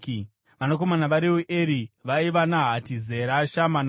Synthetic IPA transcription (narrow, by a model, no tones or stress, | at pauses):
ʋanako̞manaʋaɾiwuʔeɾiʋaiʋanaɦatizeɾaʃaman